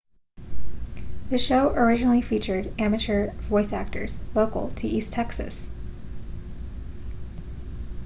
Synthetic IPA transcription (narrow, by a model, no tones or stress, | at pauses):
ðɨʃoʊʔə˞ɪd͡ʒɨnl̩ˠifit͡ʃə˞ɾæmɨt͡ʃə˞vɔɪsæk̚tə̰˞z̥loʊkl̩ˠtʰɨʔistʰɛksɨ̰s